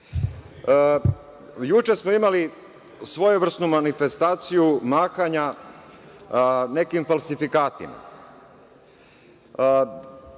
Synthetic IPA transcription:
jut͡ʃesmoimali | sʋo̞juʋr̩st̪numanifest̪aːt̪sijumaːxaɲa | ne̞kimfalˠsifikaːt̪ḭma̰

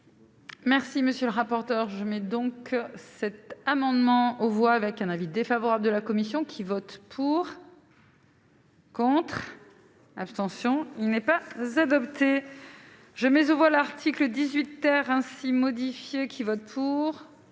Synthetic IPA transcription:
mɛʁsiməsjøləʁapɔʁt̪œʁʒəmɛd̪ɔ̃ksɛt̪amɑ̃d̪mɑ̃ovwaːvɛkɛ̃navid̪efavɔʁabləd̪əlakɔmisjɔ̃kʲʰivɔt̪pʰuʁ | kɔ̃t̪χ | apst̪ɑ̃sjɔ̃ilnɛpazad̪ɔpt̪e | ʒəmɛzovwalaʁt̪ʰikləd̪izɥit̪ːɛʁɛ̃simɔd̪ifjekʲʰivɔt̪̚pʰuʁ

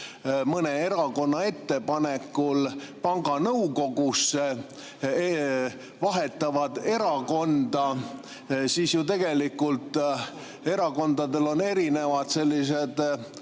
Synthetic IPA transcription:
mɤne̞e̞ɾɑko̞nːɑe̞t̪ːe̞pɑne̞kːulpɑŋɡ̥ɑnɤwko̞ɡusːe | vɑɦe̞t̪ːˑɑvɑd̪̥e̞ɾɑko̞nd̪ɑ | siːsjut̪e̞ɡ̥e̞likːult̪ | e̞ɾɑko̞nd̪̥ɑd̪e̞lo̞ne̞ɾine̞vɑd̪̥se̞lʲːis̬e̞d̪̥

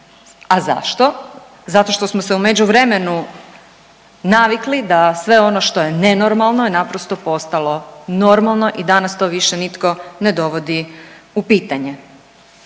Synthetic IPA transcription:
aza̰ʃt̪o̞ | zat̪o̞ʃt̪o̞smose̞ume̞d͡ʑuʋɾe̞me̞nu | naʋiklid̪asʋe̞o̞noʃt̪o̞je̞ne̞no̞ɾmalˠno̞inapɾost̪o̞po̞st̪alo̞no̞ɾmalˠno̞ʔid̪anast̪o̞ʋiʃenit̪ko̞ne̞d̪o̞ʋo̞d̪iupiːt̪aɲe

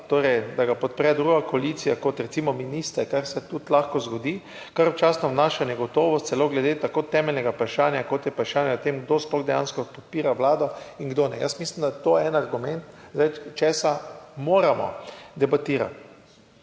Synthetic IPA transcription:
t̪oːɾɛjd̪aɡapɔt̪pɾɛd̪ɾuɡakoalit̪sijakɔt̪ɾɛt̪siːmɔminiːst̪ɛkaɾsɛt̪ut̪laxkɔzɡɔd̪iː | kaɾɔt͡ʃaːsnɔwnaːʃanjɛɡɔt̪ɔːʋɔst̪sɛloːɡlɛd̪eːt̪akoːt̪ɛmɛlnɛɡapɾaʃaːnjakɔt̪jɛpɾaʃaːnjaɔt̪emɡd̪osplɔɣd̪ɛja̰ːnskɔpɔt̪̚piːɾaʋlaːd̪ɔiŋɡd̪oːnɛ̰jəst̪mislimd̪at̪ojɛɛnaɾɡumɛnt̪zajt͡ʃɛːsamoːɾamɔ̰d̪ɛbat̪iːɾa̰t̪

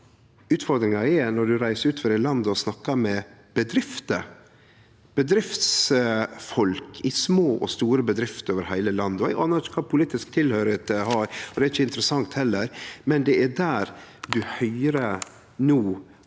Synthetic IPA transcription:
ʉːt̪fɔɾd̪ɾɪŋɑɛnɔɖʉɾæɪsəɾʉːt̪fəɾɛlɑnd̪ɔsnɑkːɑmɛb̥əd̪ɾɪft̪ə | b̥əd̪ɾɪft̪sfɔlkʰɪsmoːʔɔ̰st̪uːɾəbəd̪ɾɪft̪oːʋəɾhæɪləlɑnd̪ɔʔɑnəʈkʰɑːpʰʊliːt̪ɪsk̚t̪ʰɪlhœʏɾət̪əhɑɾɔd̪ɛæɾɪçːəɪnt̪əɾəsɑŋt̪hɛlːəɾmɛnd̪ɛæd̪æːɾd̪ʉhœʏɾə | nuː

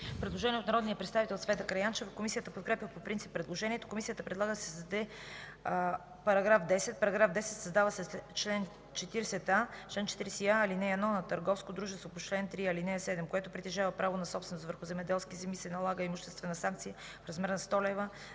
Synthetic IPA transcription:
pɾɛd̪lˠoʒɛniɛot̪nɐɾɔd̪nijəpɾɛt̪st̪avit̪ɛlˠot̪svɛt̪əkɾɐjant͡ʃɛvkomisijət̪əpot̪̚kɾɛpʲjəpopɾint̪sipːɾɛd̪lˠoʒɛniɛt̪o̥komisiət̪əpɾɛd̪lˠaɡəsɛsd̪ɛ | pɐɾɐɡɾafd̪ɛsɛt̪̚pɐɾɐɡɾafd̪ɛsɛt̪sɐzd̪avəsɛt͡ʃlɛn | t͡ʃɛt̪iɾsɛt̪at͡ʃlɛnt͡ʃɛt̪iɾɛsiaːlinɛɛd̪nɔnɐt̪əɾɡɔfskod̪ɾuʒɛst̪vopot͡ʃlɛnt̪ɾiɐlinɛsɛd̪ɛmkoɛt̪ʊpɾit̪ɛʒavəpɾavonɐsɔpsvɛnost̪vəɾxʊzɛmɛd̪ɛlˠskʲizɛmisɛnɐlˠaɡəimʊʃt̪ɛst̪vɛnɐsaŋk̚t̪sijə | fɾɐzmɛɾnɐst̪ɔlɛvə

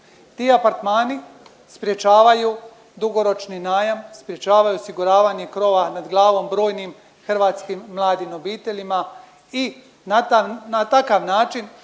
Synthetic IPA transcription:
t̪iːapaɾt̪maːni | spɾje̞t͡ʃaːʋaju | d̪uɡo̞ɾo̞t͡ʃninaːjamspɾje̞t͡ʃaːʋajuosiɡuɾaːʋaɲekɾo̞ːʋanad̪ɡlˠaːʋo̞mbɾo̞ːjnim | xr̩ʋaːt̪skimːlˠaːd̪inobiːt̪e̞ʎima | i | nat̪anat̪akaʋnaːt͡ʃin

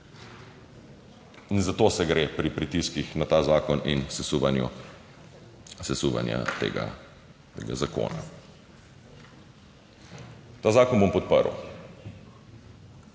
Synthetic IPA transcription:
inzat̪oːsɛɡɾepɾipɾit̪iskixnat̪aːzaːkɔninsɛsuʋanjṵ | sɛsuʋa̰nja̰t̪ḛɡa̰ | t̪ḛːɡa̰zako̰ːna̰ | t̪aːzaːkɔnbompɔt̪̚pəɾw

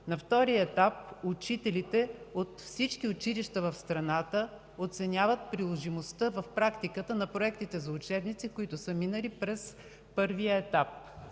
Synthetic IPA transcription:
nɐft̪ɔɾiəɛt̪ap̚ʊt͡ʃit̪ɛlit̪ɛot̪fsit͡ʃkiʊt͡ʃiliʃt̪ɐvɐfst̪ɾɐnat̪ə | ot̪sɛnʲavət̪̚pɾilˠoʒimost̪əvɐfpɾakt̪ikət̪ənɐpɾoɛkt̪it̪ɛzɐʊt͡ʃɛbnit̪sikʊit̪ʊsəminəlipɾɛs | pɤɾvijəɛt̪ap̚

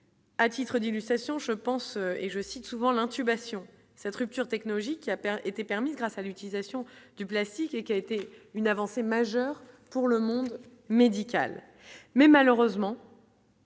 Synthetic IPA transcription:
at̪it̪χəd̪ilyst̪χasjɔ̃ʒəpɑ̃søeʒəsit̪suvɑ̃lɛ̃t̪ybasjɔ̃ | sɛt̪ʁyp̚t̪yʁt̪ɛknɔlɔʒikʲːiapɛet̪epɛʁmizɡʁasalyt̪ilizasjɔ̃d̪̥yplast̪ikekʲiaet̪eynavɑ̃semaʒœʁpuʁləmɔ̃d̪ | med̪ikʲa̰l | mɛmaløʁøzmɑ̃

